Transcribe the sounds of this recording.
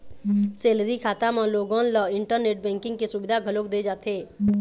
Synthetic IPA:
seːlɾikʰaːt̪amãloːɡɔ̃nlɔːɪ̃ɳʈəɾneːʈ̚bɛ̃ːŋkɪ̃ŋɡkesʊbɪd̪ʱaɡʱəloːkd̪ed͡ʒaːt̪eː

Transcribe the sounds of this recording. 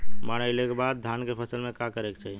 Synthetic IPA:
maɽ̃əjlekebad̪̚ːʱankepʰəsəlmekakəɾekt͡ʃaɦi

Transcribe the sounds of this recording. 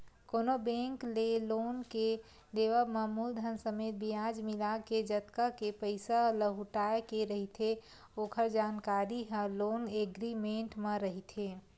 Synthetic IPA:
koːnobẽŋklelonke | leʋəməmuːld̪ʱənsəmeːt̪̚bijad͡ʒmilaɡked͡ʒət̪kakepəɪsaləɦuʈaekeɾəɦit̪ʰe | oːkʰəɾd͡ʒaːnkaɾiɦə̃loːneɡɾimẽɳʈmẽɾəɦit̪ʰe

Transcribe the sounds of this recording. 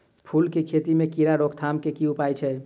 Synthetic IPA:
pʰulkekʰet̪imekiɾaɾokt̪ʰamkekiupajt͡ʃʰɛ

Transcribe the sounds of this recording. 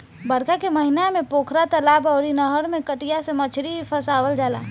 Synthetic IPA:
bəɾkakeməɦinamẽpoːkʰɾat̪əlaːbɔʊɾinəɦəɾmẽkəʈijasemət͡ʃʰɾipʰəsaːʋəld͡ʒaːla̰ː

